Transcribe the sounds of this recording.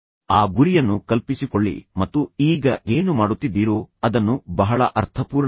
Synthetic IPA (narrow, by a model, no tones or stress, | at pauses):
aːɡuɾijɐnːukɐlpisikoɭːḭmɐt̪ːuiːɡɐʔe̞ːnumaːɽut̪ːid̪ːiːɾuːɐd̪ɐnːubɐɦɐɭɐ̰ʔɐɾt̪ʰɐpuːɾ